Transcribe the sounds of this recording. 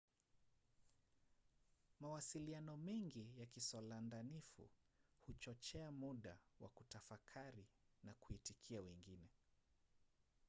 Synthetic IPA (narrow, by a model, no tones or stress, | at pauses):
mawasilianɔmɛŋɡijakisɔlandanifṵhut͡ʃɔt͡ʃɛamuɗawa̰kutafakʰaɾinakuitikʰiawɛŋɡinɛ